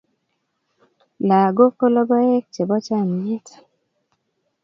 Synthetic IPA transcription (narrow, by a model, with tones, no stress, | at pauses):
la˨ɡo˦ko˦lɔ˦bɔ˦ɛ˦k̚t͡ʃe˨bɔ˦t͡ʃa˦˨m˨e˦tḁ˨